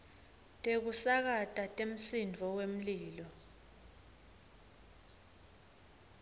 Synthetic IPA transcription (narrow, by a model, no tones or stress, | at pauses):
tʼek̬usak̬atʼatʼem̩sind͡vʱɔwem̩liːlɔ